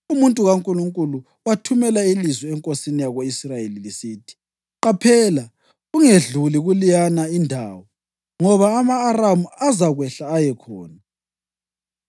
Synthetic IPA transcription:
umuntʼuɣaŋkʼuluŋkʼulu | watʰumɛlailizwɛɛŋkʼosinijaɣoisrajelilisiːtʰi̥ | ǃapʰɛːla | ɣuŋeɮuliɣulijanaindʱa̰ːwɔ | ŋɔβaːmaːramuazaɣwɛɬaːjɛkʰɔːna

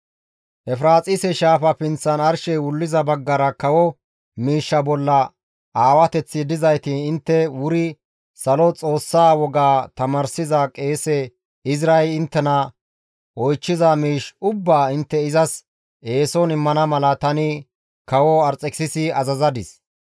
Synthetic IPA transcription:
ʔɛfɾaːt͡sʼɪsɛʃaːfɐpɪnt͡sːɐnɐɾʃɛjwʊlːɪzɐbɐɡːɐɾɐkɐwɔ | miːʃːɐbɔlːɐ | ʔaːwɐt̪ɛt͡sːɪd̪ɪzɐjt̪ɪɪnt̪ːɛwʊɾɪ | sɐlɔt͡sʼo̞ːsːaːwɔɡaːt̪ɐmɐɾsɪzɐkʼe̞ːsɛ | ɪzɾaɛɪnt̪ːɛnɐ | ɔjt͡ʃːɪzɐmiːʃʊbːaːɪnt̪ːɛɪzɐs | e̞ːsɔnɪmːɐnɐmɐlɐt̪ɐnɪ | kɐwɔɐɾt͡sʼɛkɪ̥sɪsɪɐzɐzɐd̪ɪs

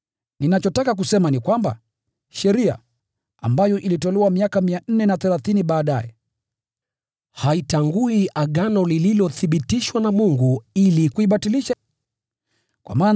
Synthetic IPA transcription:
ninat͡ʃɔtakak̬usɛmanikwamba̰ | ʃɛɾia̰ | a̰mbajɔʔilitɔlɛwamiakamian̩nɛnaθɛlaθiniɓaːɗajɛ | haitaŋɡuiaɠanɔlililɔθiɓitiʃwanamuŋɡuilikuiɓatiliʃa | kwa̰maːn

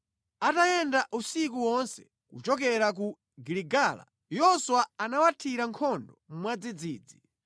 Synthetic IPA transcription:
atajɛndaʔusik̬uwɔnsɛ̥ | kṵt͡ʃɔkɛɾak̬u | ɡiliɡala̰ | jɔswaanawatʰiɾaŋkʰɔndɔm̩mwad͡zid͡ziːd͡zi

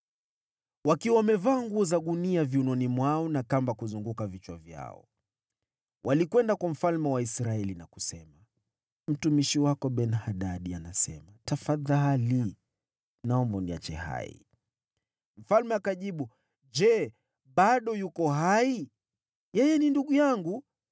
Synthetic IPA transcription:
wakiwawamɛvaːŋɡuɔzaɠuniaviunɔnimwaɔnakambakuzuŋɡukavit͡ʃwavja̰ɔ̰ | wʔalikwɛndakwam̩falmɛwaisɾaɛlinaku̥sɛma | m̩tumiʃiwakɔɓɛnhaɗaɗianasɛ̰matafaðali | naɔmbaunia̰t͡ʃɛ̰ha̰ḭ | m̩falmɛakaʄiɓu | d͡ʒɛ | ɓaɗɔjukɔɦai | jɛjɛninduɠujaŋɡu

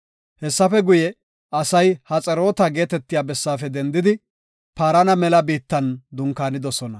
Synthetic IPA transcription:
hɛsːɐfɛɡʊjɛ | ɐsɐjhɐt͡sʼɛɾo̞ːt̪ɐɡe̞ːt̪ɛt̪ːɪjaːbɛsːaːfɛd̪ɛnd̪ɪd̪ɪ | paːɾɐnɐmɛlɐbiːt̪ːɐnd̪ʊŋkaːnɪd̪ɔsɔnɐ

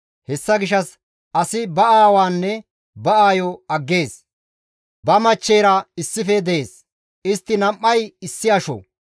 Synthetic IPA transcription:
hɛsːɐɡɪʃ̬ɐs | ʔɐsɪbɐaːwaːnːɛ | bɐaːjɔɐɡːe̞ːs | bɐmɐt͡ʃːeːɾɐɪsːɪfɛd̪ɛeːs | ɪst̪ːɪnɐmːɐjɪsːɪɐʃɔ̰

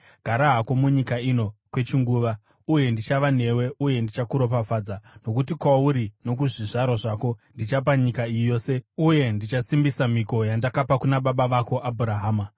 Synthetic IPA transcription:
ɡ̥ʱaɾaɦako̞muɲikaino̞kwe̞t͡ʃiŋɡuːʋa | uje̞ndit͡ʃaʋane̞we̞ʔuje̞ndit͡ʃakuɾo̞pafaːd͡zano̞kutikwauɾino̞k̬uʐiʐaɾoʐako̞ndit͡ʃapaɲikaijo̞ːse̞uje̞ndit͡ʃasimbisamiko̞jandakapakunaɓaɓaʋako̞ʔabʱuɾaɦaːma

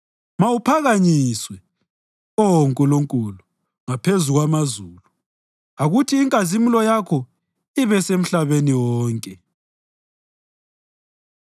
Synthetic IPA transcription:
mawupʰaɣaɲiswɛ | ɔŋkʼuluŋkʼulu | ŋapʰezuɣwamazuːlu | aɣutʰiːŋkʼazimulɔjakʰɔ | iβɛsem̩ɬaβeniwɔːŋkʼɛ

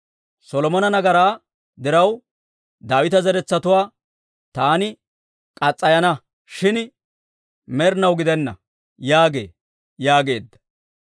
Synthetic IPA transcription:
sɔlɔmɔnɐnɐɡɐɾaː | d̪ɪɾɐw | d̪aːwɪt̪ɐzɛɾɛt͡sːɐt̪ʊwaː | t̪aːnɪ | kʼɐt͡sʼːɐjɐnɐ | ʃɪn | mɛɾnɐwɡɪd̪ɛnːɐ̰ | jaːɡe̞̰ː | jaːɡe̞ːd̪ːɐ̥

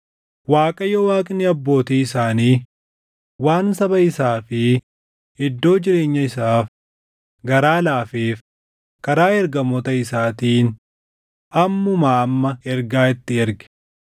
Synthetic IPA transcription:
waːkʼɐjɔwaːkʼɪnɪɐbːo̞ːt̪iːɪsaːniː | waːnsɐbɐɪsaːfɪ | ɪd̪ːo̞ːd͡ʒɪɾe̞ːɲːɐɪsaːf | ɡɐɾaːlaːfeːf | kɐɾaːɛɾɡɐmɔt̪ɐɪsaːt̪iːn | ʔɐmːʊmaːmːɐɛɾɡaːɪt̪ːɪɛɾɡɛ̥

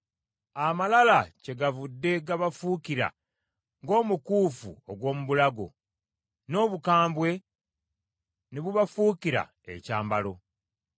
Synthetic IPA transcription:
amalalace̞ɡavudːe̞ɡaβafukiɾa̰ | ŋɡo̞ːmukuːfṵoɡwo̞ːmuβulaɡo̞̰ | no̞ːβukaːmbwe̞ | neβuβafuːkiɾa̰ | ḛcaːmbalo̞

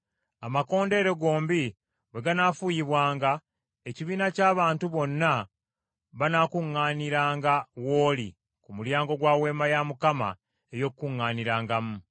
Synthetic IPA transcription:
amako̞ːnde̞ːɾe̞ɡo̞ːmbi | we̞ɡanaːfujiβwaːŋɡa | eciβiːnacaːβaːntuβo̞nːa | βanakuŋːaːniɾaːŋɡawo̞ːli | kumuljaːŋɡo̞ɡwaːwe̞ːmajamukama̰ | ejo̞kːuŋːaːniɾaːŋɡamu

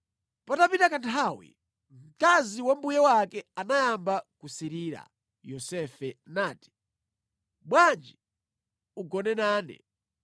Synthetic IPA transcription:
patapitakantʰawḭ | m̩kaziwambujɛwakɛanajambakusiɾiːɾa̰ | jɔsɛfɛnaːti̥ | ɓwand͡ʒi | uɡɔnɛnaːnɛ̰

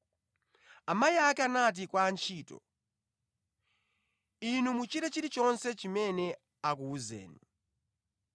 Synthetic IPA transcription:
amajiakɛanat̬ikwaːnt͡ʃʰiːtɔ̰ | inumut͡ʃiɾɛt͡ʃiɾit͡ʃɔnsɛt͡ʃimɛnɛ | akuːzɛ̰ːnu

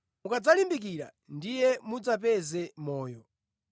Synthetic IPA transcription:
mukad͡zalimbik̬iɾa̰ | ndijɛmud͡zap̬ɛzɛmɔːjɔ

